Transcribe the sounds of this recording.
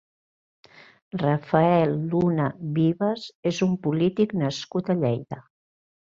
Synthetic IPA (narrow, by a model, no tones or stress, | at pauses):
rəfəɛlˠːunəβiβəzezumpulit̪iknəskut̪əʎɛjðə